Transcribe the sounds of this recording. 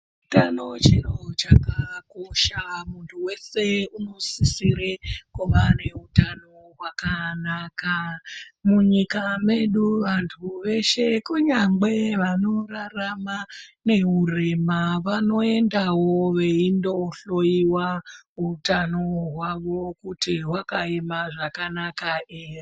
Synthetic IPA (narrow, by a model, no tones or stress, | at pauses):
utano̞t͡ʃinot͡ʃakakoʃamuntʰuwe̞se̞uno̞sisiɾekuʋane̞utano̞ɦwakanakamuɲikame̞ɗuʋantʰuʋe̞ʃe̞kuɲaŋɡ͡be̞ʋano̞raramane̞ɦure̞maʋano̞e̞ndawoʋe̞indo̞ɬo̞jiwaɦutanoɦwaʋo̞kutiwakaemaʐakanakaeri